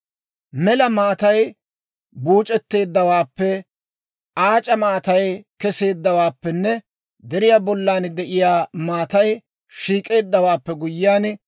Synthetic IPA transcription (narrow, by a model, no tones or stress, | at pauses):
mɛlɐmaːt̪ɐj | buːt͡ʃʼɛt̪ːe̞ːd̪ːɐwaːpːɛ | ʔaːt͡ʃʼɐmaːt̪ɐjkɛse̞ːd̪ːɐwaːpːɛnːɛ | d̪ɛɾɪjaːbɔlːaːnd̪ɛʔɪjaːmaːt̪ɐj | ʃiːkʼe̞ːd̪ːɐwaːpːɛɡʊjːaːn